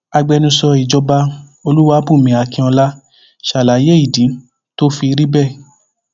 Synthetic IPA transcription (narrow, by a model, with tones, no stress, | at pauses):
a˧ɡ͡bɛ˧nũ˧sɔ˧i˨d͡ʒɔ˧ba˧o˧lu˦wa˧˦bũ˦˨mĩ˨˧˦a˨˧kĩ˧ɔ˧la˦ | ʃa˨la˨˦je˦i˦˨dĩ˨˦ | to˦fi˧ɾi˦bɛ˦˨